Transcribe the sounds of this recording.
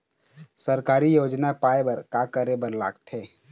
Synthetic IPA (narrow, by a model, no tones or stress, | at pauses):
səɾkaːɾijoːd͡ʒnapaːebɐɾkaːkəɾebəɾla̰ːɡt̪eː